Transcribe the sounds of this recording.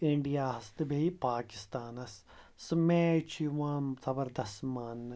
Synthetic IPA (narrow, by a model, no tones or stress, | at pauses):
iɳɖijaːɦɐst̪ɨbʱeipaːki̥st̪aːnɐs | smeːt͡ʃʰiʋãːnzɐbɐɾd̪ɐsmaːnː